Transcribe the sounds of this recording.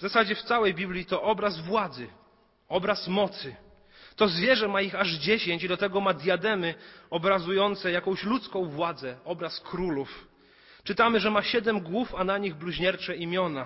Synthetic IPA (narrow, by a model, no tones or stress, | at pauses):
vzasad͡ʑɛft̪sawɛjbʲiblʲit̪ɔʔɔbɾazvwad̪zɘ | ɔbɾasmɔt̪sɘ | t̪ɔzvʲjɛʐɛmaixaʐd͡ʑeɕeɲt͡ɕid̪ɔt̪ɛɡɔmad̪ʲjad̪ɛmɘɔbɾazujɔnt̪sɛjakɔ̃w̃ɕlut̪skɔ̃w̃vwad̪zɛɔbɾaskɾuluf | t͡ʂɘt̪amɘʐɛmaɕɛd̪ɛmɡwufanaɲiɣbluʑɲɛɾt͡ʂɛimʲjɔna